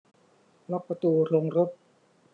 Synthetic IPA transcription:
lɔ˦˥k̚pa˧t̪uː˧ɾo˧ŋɾo˦˥p̚

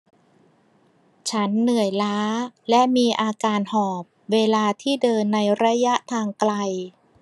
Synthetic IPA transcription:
t͡ɕʰa˦˥nːɯ˨˩əjlaː˦˥lɛ˦˥ʔmiː˧ʔaː˧kaː˧nhɔː˨˩p̚weː˧laː˧t̪ʰiː˥˩dɤː˧nːa˧jɾa˦˥ja˦˥ʔt̪ʰaː˧ŋkla˧j

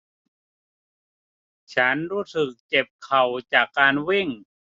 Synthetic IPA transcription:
t͡ɕʰa˦˥nɾuː˦˥˩sɯ˨˩k̚t͡ɕe˨˩p̚kʰa˨˩wt͡ɕaː˨˩kːaː˧nwi˥˩ŋ

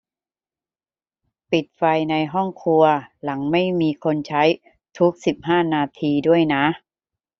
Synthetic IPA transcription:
pi˨˩t̪̚fa˧jna˧jɦɔ˥˩ŋkʰu˧ɐla˩˦ŋma˥˩jmiː˧kʰo˧nt͡ɕʰa˦˥j | t̪ʰu˦˥k̚si˨˩p̚ɦaː˥˩naː˧t̪ʰiː˧du˥˩əjna˦˥ʔ

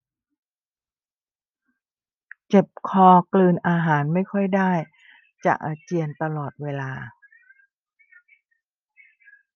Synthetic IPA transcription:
t͡ɕe˨˩p̚kʰɔː˧klɯː˧nʔaː˧ɦaː˩˦nma˥˩jkʰɔ˥˩jdaː˥˩j | t͡ɕa̰˨˩ʔaː˧t͡ɕi˧ənt̪a˧lɔː˨˩t̪̚weː˧laː˧

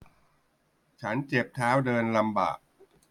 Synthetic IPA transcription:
t͡ɕʰa˦˥nt͡ɕe˨˩p̚t̪ʰaː˦˥wdɤː˧nla˧mba̰ː˨˩k̚

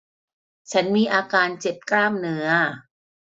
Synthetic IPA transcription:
t͡ɕʰa˦˥nmiː˧ʔaː˧kaː˧nt͡ɕe˨˩p̚klaː˥˩mnɯ˦˥ɐ

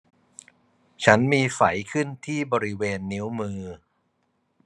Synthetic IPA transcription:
t͡ɕʰa˦˥nmiː˧fa˩˦jkʰɯ˥˩nt̪ʰiː˥˩bɔː˧ɾi˦˥weː˧nːi˦˥wmɯː˧

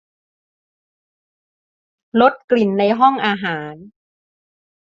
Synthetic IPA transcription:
lo˦˥t̪̚kli˨˩nːa˧jɦɔ˥˩ŋʔaː˧ɦaː˩˦n

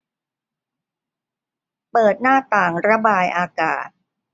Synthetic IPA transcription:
pɤː˨˩t̪̚naː˥˩t̪aː˨˩ŋɾa˧baː˧jʔaː˧ka̰ː˨˩t̪̚

